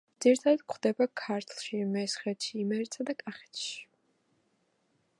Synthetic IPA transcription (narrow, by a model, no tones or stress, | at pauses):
d̪z̥iɾit̪ʰad̪ad̪̥̚kχd̪ɛbakʰaɾt̪ʰlˠʃimɛsχɛt̪ʃiːmɛɾt̪sʰad̪akʼaχɛ̥t̪ʃi̥